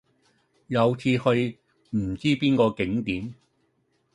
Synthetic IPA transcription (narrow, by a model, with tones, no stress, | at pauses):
jɐ˨˧wt͡sʰiː˧hɵ˧ɥ | m̩˨˩t͡siː˥piː˥nkɔː˧kɪ˨˥ŋt̪iː˨˥m